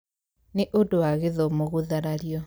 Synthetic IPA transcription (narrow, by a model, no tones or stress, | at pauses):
neʔodowaɣeðɔmoɣuðaɾaɾjɔ